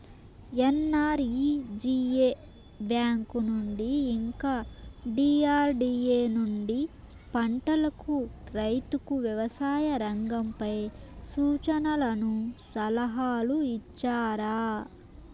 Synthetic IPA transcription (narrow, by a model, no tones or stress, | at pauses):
enːaːɾiːd͡ʒiːe | bjaːŋkunuɳɖiːŋkaːɖiːaːɾɖieːnuɳɖi | pɐɳʈɐlɐkuɾɐjt̪ukuʋjɐʋɐsaːjɐɾɐŋɡɐmpɐjsuːt͡ʃɐnɐlɐnusɐlɐɦaːluit͡ʃːaːɾaː